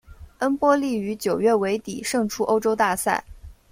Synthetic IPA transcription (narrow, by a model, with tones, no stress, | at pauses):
ə˥npwɔ˥li˥˩y˧˥t͡ɕjo˨˩ʊɥɛ˥˩we˧˥ɪt̪i˨˩ʂɤ˥˩ŋʈ͡ʂʰu˥ʔo˥ʊʈ͡ʂo˥ʊt̪a˥˧sa̰˥˩ɪ